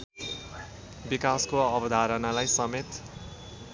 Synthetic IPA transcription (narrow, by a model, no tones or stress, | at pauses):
bikaskoʌbʌd̪ʱaɾʌnalajsʌmet̪